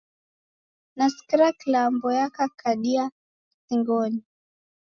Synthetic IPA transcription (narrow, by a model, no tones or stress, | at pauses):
naskɾaklambɔjakakʰaɗia | siŋɡɔni